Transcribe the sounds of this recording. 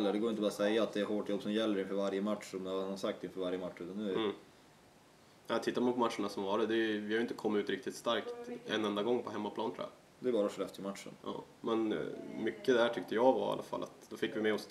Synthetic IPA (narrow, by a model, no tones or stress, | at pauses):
lːəɖɛɡoːɾɪnt̪əbɑɾasɛjːaːt̪̚d̪ɛæɾɦoːʈjɔbːsɔmjɛlːəɾɪnfœːɾvaɾjəmat̪ʂɔmahasak̚t̪ɪnfœːvaɾjəmat̪ʂːʉːt̪anːʉ̟ːɾ | ɛt̪ʰɪt̪ːamanpʰɔmat̪ʂəɳasɔmvɑːɖəd̪ɛjvɪhajʏɪnt̪əkʰɔmːɪʉːt̪ɾɪk̚t̪ɪt̪st̪aɾkt̪ɛ̰nːɛnd̪aɡɔŋːpʰɔɦɛmːapʰlɑːnt̪ʰɾʊ̰ja̰ | d̪ɛæɾbɑːɾaʂlɛft̪ʰɪmat̪ʂə̰nɑ̰ː | mɛnmʏkːəd̪æʈʰʏk̚t̪əjɑɡva̰a̰lːa̰fa̰lːʔa̰t̪d̪ɔfɪkːvɪmɛɔs